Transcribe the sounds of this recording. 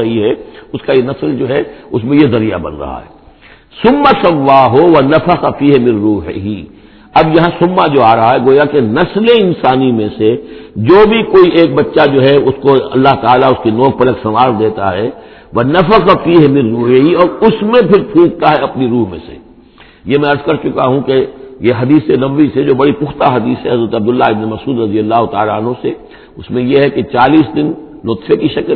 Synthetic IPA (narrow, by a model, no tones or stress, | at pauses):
ɐɦiɦɛʊskajenɐsəld͡ʒoːɦɛʊsmẽjezɐɾija̰bɐ̰̃nɾɐ̰ɦa̰ɦɛ̰ː | sʊmːasɐʋːaːɦoʋɐnɐfəqafiːɦmɪ̃nːuːɦɦi | ɐbjɐɦãsʊmːad͡ʒoːaːɾɐɦaɦɛɡoːjakenɐsleɪ̃nsaːnimẽsed͡ʒoːbʱikoːiʔeːk̚bɐtːʃad͡ʒoːɦɛʊskoɐ̰lːaɦt̪aːlaʊskinɔːk̚pɐləksɐʋaːɾd̪eːt̪a̰ɦɛː | ʋɐnɐfəqɑfiːɦɛmɪ̃ɾːuːɦeiɔːɾʊsmẽpʰɪɾpʰũːk̚t̪aɦɛɐpniɾuːɦmḛ̃sḛ | jemɛ̃ɐɾzkɐɾt͡ʃʊkaɦũkejeɦɐd̪iːsenɐbʋised͡ʒoːbɐɽipʊxt̪aɦɐd̪iːsɦɛɦɐzɾət̪ɐb̚d̪ʊlːaɪbnemɐsuːd̪ɾɐzijəlːaːɦot̪a̰ːlaɐnɦõse | ʊsmẽjeɦɛket͡ʃaːliːsd̪ɪnː | ʊt̪fekiʃɐkl